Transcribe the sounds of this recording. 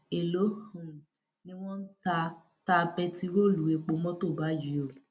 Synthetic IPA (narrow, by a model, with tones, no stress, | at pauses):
e˨lo˨˦hũ˨ | nĩ˦w̃ɔ̃˦n̩˦ta˧ | ta˧bɛ˧ti˦ɾo˦˨lu˨˦e˨˧k͡po˧mɔ̃˦to˦˨ba˨˦ji˨˦o˦˨